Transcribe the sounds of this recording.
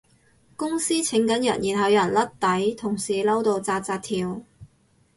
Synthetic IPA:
kʊ˥ŋsiː˥t͡sʰɪ˨˥ŋkɐ˨˥njɐ̰˨˩njiː˨˩nɦɐ˨˧wjɐ˨˩nlɐ˥t̚t̪ɐ˨˥jt̪ʰʊ˨˩ŋsiː˨˩lɐ˥wt̪o˧wt͡saː˧t̚t͡saː˧t̚t̪ʰiː˨w

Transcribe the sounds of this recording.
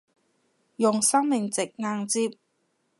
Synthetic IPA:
jʊ˨ŋsɐ˥ŋmɪ˨ŋt͡sɪ˨k̚ŋaː˧ŋt͡siː˧˥p̚

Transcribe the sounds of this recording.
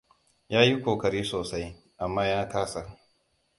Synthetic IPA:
jaː˦ji˦kʷoː˨kɐ˨ɾiː˦soː˨sa˦j | ʔa˨mːaː˦jaː˦taː˦sa˨

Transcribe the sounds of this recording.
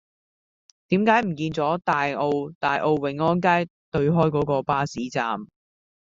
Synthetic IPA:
t̪iː˨˥mkaː˨˥jm̩˨˩kiː˧nt͡sɔː˨˥t̪aː˨jʔo˧wt̪aː˨˧jʔo˧wːɪ˨˥ŋɔː˥nk̬aː˥jt̪ɵ˧ɥɦɔː˥jkɔː˨˥kɔː˧paː˥siː˨˥t͡sa̰ː˧m

